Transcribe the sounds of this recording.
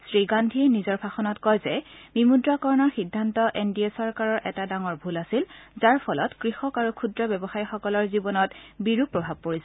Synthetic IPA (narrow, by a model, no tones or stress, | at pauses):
sɹiɡandʱiɛnizɔɹpʰaxɔnɔtkɔjzɛbimudɹakɔɹnɔɹxidʱːantɔʔendiesɔɹkaɹɔɹʔɛtadaŋɔɹbʱulasilzaɹpʰɔlɔtkɹixɔkaɹukʰudɹɔbɛbɔxajɔxɔkɔlɔɹzibɔnɔtbiɹupɹɔbʱab̚poɹisɛ